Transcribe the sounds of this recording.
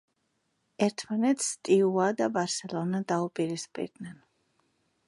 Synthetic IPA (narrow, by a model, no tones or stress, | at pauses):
ɛɾt̪ʰmanɛt̪st̪ʼiuad̪abaɾsɛlˠɔnad̪aupʼiɾispʼḭɾd̪nɛn